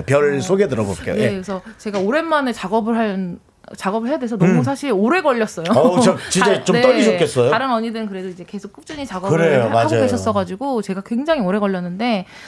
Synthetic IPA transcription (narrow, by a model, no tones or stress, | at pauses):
pjʌɾɭsʰoɡe̞dɯɾʌboɭk͈ḛo̰jeesʰʌt͡ɕe̞ɡaoɾe̞nmanet͡ɕaɡʌbɯɭɦaɭ | t͡ɕaɡʌbɯɭɦejadwesʰʌnʌmus̬ʰaɕʰiɾoɾe̞ɡʌʎːʌs͈ʌjot͡ɕʌt͡ɕit͡ɕet͡ɕomeʌɡiɕʰokʰes͈ʌjoaɾɯnʌɲidɯnkɯɾe̞doid͡ʑe̞ke̞sʰok͈up̚t͡ɕ͈ɯɲit͡ɕaɡʌɯɾejomaaɡd͡ʑajeɕʰʌs͈ʌɡad͡ʑiɡot͡ɕe̞ɡakwe̞ŋd͡ʑaŋioɾe̞ɡʌʎːʌnːɯnde̞